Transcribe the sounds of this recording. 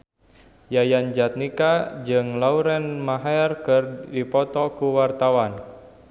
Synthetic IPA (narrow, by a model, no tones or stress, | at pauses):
jajand͡ʒat̪̚nikad͡ʒɨŋlauɾɛnmaɦaɛrkɨrdipɔt̪ɔkuwart̪awan